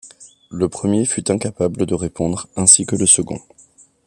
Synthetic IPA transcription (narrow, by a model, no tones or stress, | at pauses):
ləpχəmjefyt̪ɛ̃kapabləd̪əʁepɔ̃d̪ʁɛ̃sikələsəɡɔ̰̃